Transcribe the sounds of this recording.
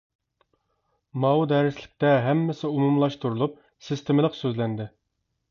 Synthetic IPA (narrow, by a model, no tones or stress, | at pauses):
mɑwud̪ɛɾɪslɪk̚ʲt̪ɛɦɛmːɪsɪumumlˠɑʃt̪uɾulˠup̚ | sɨst̪ʰemɪlˠəqsøzlænd̪ɪ